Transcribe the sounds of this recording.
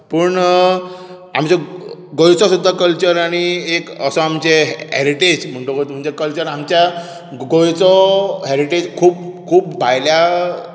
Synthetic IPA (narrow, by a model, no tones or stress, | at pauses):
pəːɳ | amt͡ɕɔɡojt͡sɔsud̪ʱːakəlt͡ɕəɾaɽ̃iekəsɔamt͡ɕeɦɦɛɾiʈed͡ʑm̤əɳʈokəjt̪m̤əɳd͡zekəlt͡ɕəɾamt͡ɕja | ɡojt͡sɔɦɛɾiʈed͡ʑkʰuːpkʰuːpbʱajlja